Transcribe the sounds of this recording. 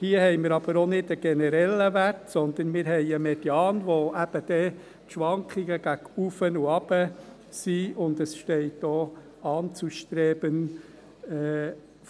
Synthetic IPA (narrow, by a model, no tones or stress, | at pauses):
hiəhɛɪmɪːɾɑb̥əɾonɪdəɡ̥ɛnɛɾɛlːəʋærtsɔnd̪ənmɪːɾhɛɪəmɛd̥jɑːnʋoʔæb̥əd̥̪ɛ | tʃʋɑŋkχiɡəɡ̥æɡufənʊɑb̥ə | siːʊnd̪əsʃtɛɪtoː | ɑːnt͡suʃtɾeːb̥ən | ɛː